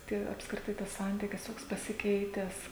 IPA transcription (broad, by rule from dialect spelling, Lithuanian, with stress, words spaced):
ˈtʲiɛ ɐpskrʲɪˈtɐɪ tɐs ˈsɐnʲtʲiːkʲɪs ˈtoːks pɐsʲɪˈkʲɛɪtʲæːs